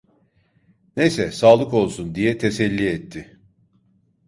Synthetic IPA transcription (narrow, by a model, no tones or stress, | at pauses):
nejsɛsaːlˠɯko̞lˠsund̪ijɛt̪ʰesɛlʲːiɛt̪ʰːɪ